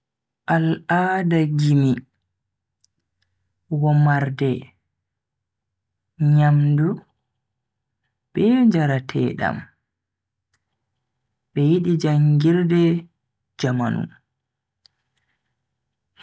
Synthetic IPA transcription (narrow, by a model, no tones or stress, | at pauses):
ʔaladaɡimi | wɔmaɾdɛ | ɲamdu | b̥ɛɲd͡ʒaɾatʰɛ̰ɗa̰m | ɓɛjiɗid͡ʒaŋɡiɾdɛ | d͡ʒamanṵ